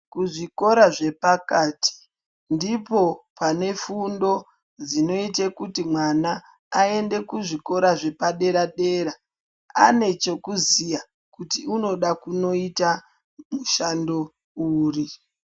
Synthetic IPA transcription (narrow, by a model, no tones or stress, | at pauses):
kuʐiko̞ɾaʐe̞pakaːtʰi̥ | ndipo̞pane̞fundo̞ | d͡zino̞itekutimwanaː | e̞nde̞kuʐiko̞ɾaʐe̞paɗe̞ɾaɗe̞ɾa | a̰ne̞t͡ʃe̞kuzija | kutiuno̞ɗakuno̞ita | muʃando̞ | uːri